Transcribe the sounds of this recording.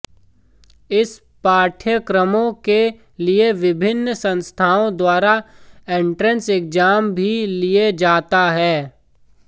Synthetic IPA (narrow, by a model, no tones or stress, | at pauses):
ɪs | paːʈʰjəkɾəmõke | lieʋɪbʱɪnːsə̃nst̪ʰaːõd̪waːɾaẽːɳʈɾə̃nseːk̚d͡ʒaːmbʱilied͡ʒaːt̪aɦɛː